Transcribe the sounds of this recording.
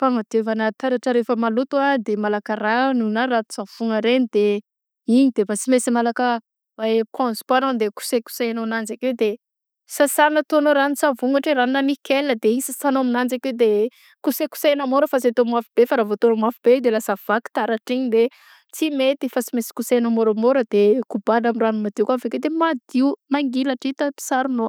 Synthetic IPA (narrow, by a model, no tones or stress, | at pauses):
faŋad̪evanat̪aɾaʈ͡ʂəɾefəmalut̪uad̪emalakəɾanunarat̪u̥sav̥uŋəɾenid̪e | iɲid̪̥evasimesimalakə | aekɔ̃nz̥panand̪eku̥seku̥sajanonand͡ʒakewd̪e | sasanət̪onoɾanisavuŋaʈ͡ʂeɾaninanikeləd̪eisəsanoaminand͡zakewd̪e | kuseku̥sajnamoɾəfaset̪omwafib̥efaɾavot̪onamafib̥ed̪elasav̥aki̥t̪aɾaʈ͡ʂiɲid̪e | t͡simet̪ifat͡simesi̥kusajnamoɾamoɾəd̪̥ekubanamiranumad̪iukafeked̪emad̪iumaŋɡilaʈ͡ʂit̪əpi̥saɾino